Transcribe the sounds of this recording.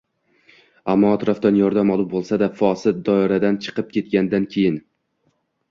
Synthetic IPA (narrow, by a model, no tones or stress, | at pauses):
amːɒːt̪ɾɒfd̪anjɒɾd̪amɒlˠubolˠsad̪afɒsɪt̪̚d̪ɒɪɾad̪ant͡ʃʰɨ̥qɨp̚kʲʰe̞t̪̚ɡʲand̪ankʲʰe̞jɪn